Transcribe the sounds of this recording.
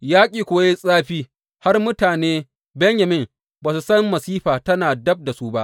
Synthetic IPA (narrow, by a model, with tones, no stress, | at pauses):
jaː˦kʲʼiː˨kʷoː˨je˦sʼaː˦ɸiː˦ | ha˦rmʊ˦taː˨neː˦ | bɛ˦ɲjɐ˨mɪ˦ŋ | baː˨su˨sɐ˦mːɐ˨siː˦ɸaː˨tɐ˦naː˨dɐ˦b̚da˨su˦ba˦ʔ